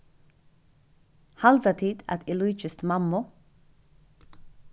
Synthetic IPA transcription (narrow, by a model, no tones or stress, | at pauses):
hɑld̪ət̪ʰiːd̪æt̪ɪluːt͡ʃəst̪mɑmʊ